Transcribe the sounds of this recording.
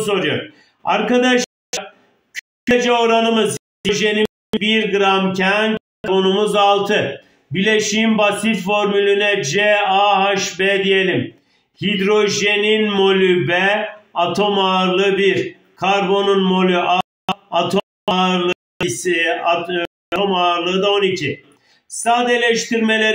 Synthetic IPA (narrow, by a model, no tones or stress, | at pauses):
s̬o̞ɾujoɾ | aɾkad̪aʃ | kʰ | d͡ʒɛoɾanɯmɯz | iʒe̞ni | biɾɡɯɾamcʰænkaɾbo̞numuzalˠt̪ʰɯ | bilʲeʃimbasit̪fo̞ɾmylʲynɛd͡ʒɛaɦaʃbɛd̪ije̞lʲim | hid̪ɾo̞ʒe̞ninmo̞lʲybɛat̪ʰo̞maɾlˠɯbiɾ | kʰaɾbo̞nunmo̞lʲyʔa | at̪ʰo | aɾlˠɯ | t̪ʰo̞maːɾlˠɯɯd̪ao̞nicʰi | st̪ad̪elʲɛʃt̪ʰiɾme̞lʲe